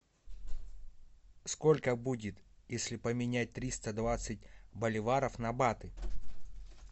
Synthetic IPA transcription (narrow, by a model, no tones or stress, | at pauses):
skolʲkəbudʲɪt̪jesʲlʲɪpəmʲɪnʲæt̚ʲt̪ɾʲist̪əd̪vat̪sɨt̚ʲbəlʲɪvaɾəfnɐbat̪ɨ